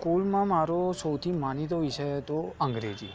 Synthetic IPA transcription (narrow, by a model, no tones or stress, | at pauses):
kulmãmaɾosəwt̪ʰimanit̪oʋiʃəjt̪oə̃ŋɡɾed͡ʒḭ